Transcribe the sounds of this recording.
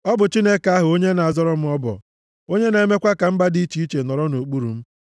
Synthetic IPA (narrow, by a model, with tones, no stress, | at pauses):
ɔ˦bʊ˨t͡ʃi˦ne˦ka˦ɦʊ˨o˦ɲe˦na˨a˨zɔ˦ɾɔ˦m̩˦ɔ˦bɔ̰˨ | o˦ɲe˦ne˨me˦kʷa˦ka˨m̩˦ba˦di˦t͡ʃi˨i˦t͡ʃe˨nɔ˨ɾɔ˦no˨k͡pu˦ɾṵ˨m̩˦